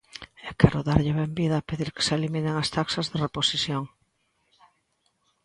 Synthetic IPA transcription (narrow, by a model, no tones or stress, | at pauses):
ɛkɛɾʊðaɾʎɪβɛmbiðɐːpeðiɾkɪ̥selimineŋast̪aksɐzðereposiθjoŋ